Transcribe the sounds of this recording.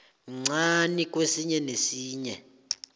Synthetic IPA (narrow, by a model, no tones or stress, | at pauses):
ŋ͡ǀanik̬ʼwesiɲɛnesiːɲɛ